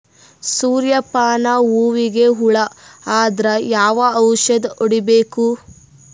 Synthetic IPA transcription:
suːɾjɐpaːnɐuːʋiɡe̞ɦuɭɐaːd̪ɾɐjaːʋɐːwʃɐd̪oɽibeːku

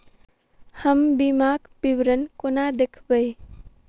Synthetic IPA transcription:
hʌmbimaɡbibɾənkonad̪ekʰbʌj

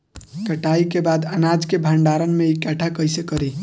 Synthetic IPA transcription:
kəʈaikebad̪ənad͡ʒkebʱãɳɖaɾənmeikɛʈʰakəjsekəɾi

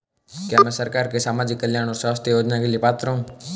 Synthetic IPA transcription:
kjaːmɛ̃ːsəɾkaːɾkeːsaːmaːd͡ʒɪkːəljaːñoɾsaːst̪ʰejoːd͡ʒnaːkeːlepaːt̪ɾəɦũː

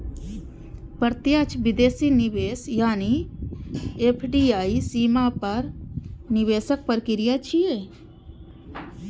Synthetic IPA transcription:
pəɾt̪jat͡ʃʰʋɪd̪eːsinɪʋeːsjaːni | eːpʰɖiaːisiːmapɐɾnɪʋeːsək̚pəɾkɪɾɪjat͡ʃʰie

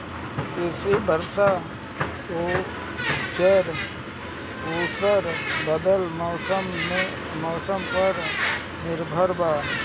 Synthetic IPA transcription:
t̪ɪsibəɾsa | oː | t͡ʃeɾ | ut̪əɾbəd̪əlmɔːsəmːe | mɔːsəmpəɾ | nɪɾbʱəɾbaː

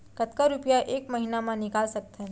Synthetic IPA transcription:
kɐt̪kaɾupjaʔeːkmɐɦiːnamãnɪkaːlsɐk̚t̪eɦɛ̃

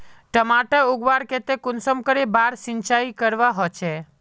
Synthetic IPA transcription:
ʈəmaʈəuɡʋaɾket̪ekʊnsəmkəɾebaɾsɪnt͡ʃaikəɾʋaɦot͡ʃʰe

